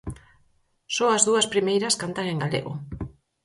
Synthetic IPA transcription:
soɐzðuɐspɾimejɾɐskant̪aŋeŋɡalḛɣʊ̰

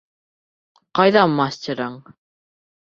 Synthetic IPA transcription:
qɑjðɑmːɑsʲtʲiɾɑɴ

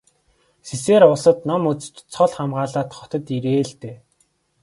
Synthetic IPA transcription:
siseːɾʊɮsə̆t̪nɔmut͡sɘ̥̆t͡ɕt͡sʰɔɮχamɢaːɮaːt̪χɔt̪ɞ̆t̪iɾeːɮt̪eː

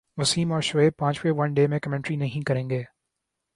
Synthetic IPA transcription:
mʊsiːmɔːɾʃʊeːb̚pãːt͡ʃweʋɐ̃nɖeːmẽkɐmɛ̃ɳʈɾinɐɦĩkɐɾẽːŋɡeː

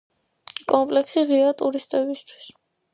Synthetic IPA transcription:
kʼɔmpʼlɛksiʁiat̪ʼuɾist̪ʼɛbist̪ʰwi̥s

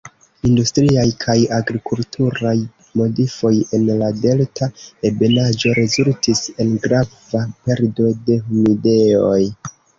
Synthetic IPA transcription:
industɾiajkʰajaɡɾikultʰuɾaj | mo̞difo̞je̞nlade̞ltaebe̞nad͡ʒo̞ɾe̞zultise̞nɡɾavape̞ɾdo̞de̞humide̞o̞j

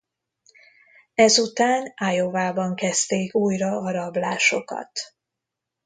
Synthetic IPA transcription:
ɛzut̪aːnajo̞vaːbɒŋkɛst̪eːkuːjrɒɒɾɒblaːʃo̞kɒ̰t̪

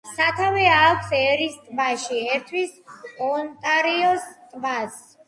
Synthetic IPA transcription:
sat̪ʰavɛakʷʰsɛɾist̪ʼvaʃiɛɾt̪ʰwisɔnt̪ʼaɾiɔst̪ʼvas

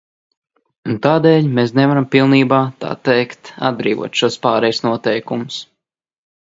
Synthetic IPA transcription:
unt̪aːd̪ɛːʎʲmes̬nɛvaɾampilˠniːbaːt̪a̰ːt̪ɛjkt̪a̰d̪̚bɾḭːvṵɔt̪ʃuɔspaːɾɛjsnuɔt̪ɛjkumʊs

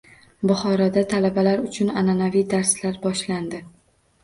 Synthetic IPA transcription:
bʊχɒɾad̪at̪ʰalabalaɾʊt͡ʃʰʊnananavijd̪aɾslaɾbɒʃland̪ɪ

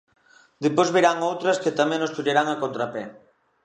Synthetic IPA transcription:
d̪epozβiɾaŋowt̪ɾɐskɪt̪amɛ̃ŋnost̪uʎeɾaŋakont̪ɾapɛ

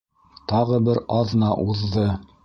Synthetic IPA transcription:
t̪ɑʁɤbɘɾɑðnɑʔuðːɤ

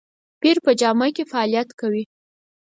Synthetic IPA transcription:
piɾpəd͡ʒɑmakefaɑlijat̪kawi

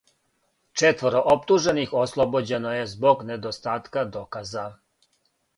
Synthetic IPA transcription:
t͡ʂet̪ʋoɾo̞ʔopt̪uʒe̞nixoslˠobod͡ʑe̞noje̞zboɡned̪ost̪aːt̪kad̪o̞kaza

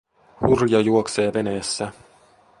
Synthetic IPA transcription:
hurjɑjuokse̞ːʋe̞neːsːæ

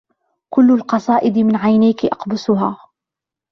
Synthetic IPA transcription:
kʊlːalqɑsˤɑːʔɪd̪mɪnʕajnajkɪʔɑqbʊsʊɦaː

